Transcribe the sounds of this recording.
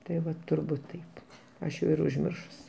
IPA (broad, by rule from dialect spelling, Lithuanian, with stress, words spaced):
tɐɪ ˈʋɐ tʊrˈbuːt ˈtɐɪp ˈɐʃ jɛʊ ɪr ʊʒʲˈmʲɪrʃʊsʲɪ